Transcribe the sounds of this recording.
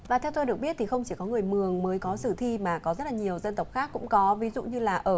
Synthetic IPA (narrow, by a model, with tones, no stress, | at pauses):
vaː˨˩t̪ʰɛ˧wt̪o˧jɗək̚ɓi˦˥t̪̚ʰi˨˩xə˧wŋ͡mt͡ɕi˧˩kɔ˨˦ŋɨ˨˩əjmɨ˨˩əŋməː˨˦jkɔ˨˦sɨ˧˩t̪ʰi˧maː˨˩kɔ˨˦zə˦˥t̚laː˨˩ɲi˨˩əwzə˧nt̪ə˨˩wk͡p̚xaː˦˥kːʊ̰˧˥ŋ͡mkɔ˨˦vi˨˦zṵ˧˨ɲɨ˧laː˨˩ʔʔəː˧˩